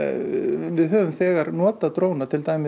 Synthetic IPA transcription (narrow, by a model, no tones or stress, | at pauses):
vɪðɦœːvʏmθɛːɣaɾnɔːt̪aðt̪ɾoːwnat̪ʰɪlt̪aːjmɪ